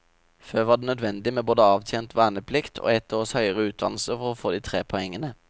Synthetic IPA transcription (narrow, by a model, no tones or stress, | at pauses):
føːʋɑːd̪eːnœd̪ʋɛnd̪ɪmeːboːd̪əɑːʋt̪ʰjeːnt̪ʰʋæːnəpʰlɪkt̪ʰo̰ːɛt̪əɔshœʏəʁəʉːt̪̚d̪ɑ̰nl̩səfɔʁoːfoːd̪iːt̪ʰʁeːpʰɔɛŋːənə